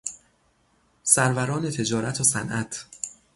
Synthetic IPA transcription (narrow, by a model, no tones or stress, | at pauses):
sæɾvæɾɒːne̞t̪ʰe̞d͡ʒɒːɾæt̪ʰosænʔæt̪ʰ